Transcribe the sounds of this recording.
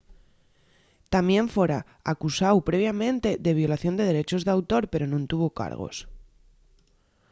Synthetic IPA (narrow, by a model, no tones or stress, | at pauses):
t̪amje̞ɱfeɾa | akusawpɾe̞β̞jamẽ̞nt̪e̞ðe̞β̞jo̞laθjo̞nd̪e̞ð̞e̞ɾe̞t͡ʃo̞zðawt̪o̞ɾpe̞ɾo̞nũnt̪uβ̞o̞ka̰ɾɣ̞o̞̰s